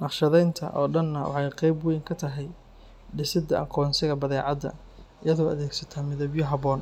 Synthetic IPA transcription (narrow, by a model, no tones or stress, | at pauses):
nɑqʃɐðɛjnt̪ʰɐ̰ʔɔ̰ːɖɐnːɐwɑ̰ħɑjqɛjbwɛjŋkʰɐt̪ʰɐɦɛj | ɖɪsɪd̪ɐʔɐqʰɔːnsɪɣɐbɐðɛːʕɑd̪ɐ̰ | ɪjɐðɔːɐðɛːɡsɐt̪ʰɐmɪðɐbjɔɦɐβɔːn